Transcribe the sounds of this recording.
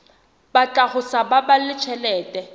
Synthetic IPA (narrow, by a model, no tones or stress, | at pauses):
bat͡ɬʼaχʊsababalɪt͡ʃʰɛlɛːtʼɛ